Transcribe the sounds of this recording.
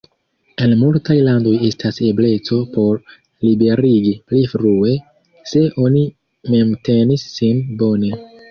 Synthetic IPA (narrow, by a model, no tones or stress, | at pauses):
e̞nmultajlando̞je̞stase̞ble̞t͡so̞po̞ɾ | libe̞ɾiɡiplifɾue̞ | se̞ʔo̞ni | me̞mte̞nisːinbo̞ne̞